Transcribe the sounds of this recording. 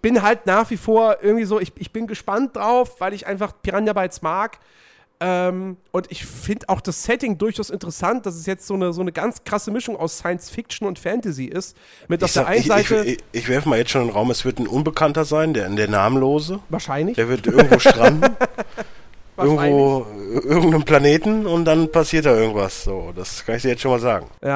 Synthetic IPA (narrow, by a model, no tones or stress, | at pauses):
b̥ɪnɦaltnaːχv̥ifoːɐʔɪɐɡŋ̩tv̥iːzoːɪçɪçb̥ɪnɡəʃpant̚d̥ʁaʊfv̥aɪlɪçʔa̰ɪnfaχpʰiʁanjabaɪsmaːk | ʔɛːmʔʊntɪçfɪndəʔaʊxd̥assɛtɪŋdʊɐçaʊsɪntəʁəsant̚d̥as̬ɛsjɛt͡stz̥oːnəzoːnəɡant͡skʁ̥asəmɪʃʊŋa̰ʊsːaɪənsfɪk̚t͡ʃn̩ʊntfɛntɛziʔɪst | mɪtaʊffdeːʔaɪnç̩zaɪçtəɪçv̥ɛɐfəmaːljɛt͡stʃoːnɪnʁaʊmɛsv̥ɪɐtn̩ʔʊnbəkʰantɐzaɪndeːɐdeːɐna̰ːmənloːzəvaːɐʃaɪnlɪçd̥eːɐvɪɐtʔɪɐŋ̩tvvoːʃtʁ̥and̩ | ʔɪɐɡŋ̩tvoːʔɪɐɡŋ̩tnəmpl̥aneːtn̩ʊnt̚d̥anpʰasiːɐt̚d̥aːʔɪɐɡŋ̩tv̥asz̥o̰ːd̥askʰanɪçd̥iːɐjɛt͡stʃoːnmaːlza̰ːɡŋ̩jaː